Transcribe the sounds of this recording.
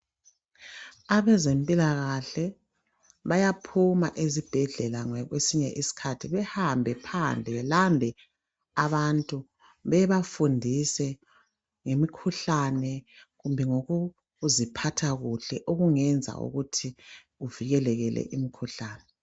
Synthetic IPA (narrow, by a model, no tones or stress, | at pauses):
aβɛzempʼilaɣaɬɛ | βajapʰuma̰ʔezib̥ʱɛɮɛlaŋɛɣwesiɲɛʔisi̥kʰatʰiβɛhambʱɛpʰand͡ɮʱɛβɛlamdʱɛ | aβantʼu | βɛβafundʱisɛ | ŋemikʰuɬanɛɣumbʱɛŋoɣu | zipʰatʰaɣuɬɛʔoɣuŋɛnd͡zʱa̰ʔṵɣutʰi | uviɣɛlɛɣɛlɛ̰ʔimikʰuɬaːnɛ